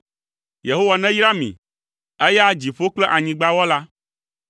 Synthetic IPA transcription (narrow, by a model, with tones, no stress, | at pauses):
je˨ɦo˦wa˨nɛ̃˦jɾa˦mḭ̃˨ | ɛ˦ja˦d͡ʑi˨ɸo˦k͡plɛ˦ʔa˨ɲĩ˨ɡ͡ba˦wɔ˦la˦